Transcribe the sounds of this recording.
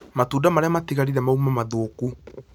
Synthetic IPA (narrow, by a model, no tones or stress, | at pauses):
matuːdamaɾeamatiɣaɾiɾɛmaumamaðoːku